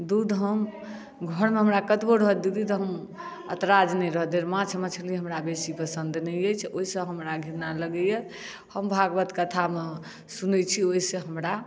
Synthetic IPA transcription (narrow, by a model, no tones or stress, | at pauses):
d̪ud̪ɦəm | ɡʱəɾmeɦəmɾakət̪boɾəɦəd̪id̪it̪ɔɦəm | ət̪ɾad͡ʒnɛjɾəɦd̪eɾmãt͡ʃʰmẽt͡ʃʰəlieɦəmɾabesipəsənd̪nəjəjt͡ʃʰoɦisə̃ɦəmɾaɡʱiɾnaləɡəje | həmbʱaɡbət̪kət̪ʰame | sunɛt͡ʃʰioiseɦəmɾa